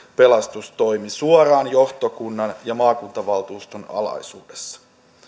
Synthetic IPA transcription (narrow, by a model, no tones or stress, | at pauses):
pe̞lɑst̪ust̪o̞jmisuoɾɑːnjo̞ht̪o̞kunːɑnjɑmɑːkunt̪ɑʋɑlt̪uːst̪onɑ̰lɑ̰jsuːdesːɑ̥